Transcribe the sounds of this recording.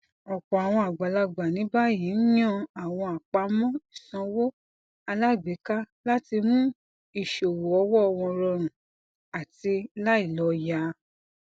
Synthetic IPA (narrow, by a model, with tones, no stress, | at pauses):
ɔ˨kɔ˨a˨w̃ɔ̃˧a˨ɡ͡ba˨la˧ɡ͡ba˨nĩ˨˦ba˦ji˨˦n̩˦jɔ̃˦˨a˨w̃ɔ̃˧a˨k͡pa˧˦mɔ̃˦i˦˨sɔ̃˨˧˦wo˦ | a˧la˦˨ɡ͡be˨˦ka˦ | la˦ti˧mũ˦ | i˨ʃo˨wo˨ɔ˧wɔ˦ɔ˧w̃ɔ̃˧ɾɔ˧ɾ̃ũ˨ | a˨ti˧la˦i˦˨lɔ˨˧˦ja˧˦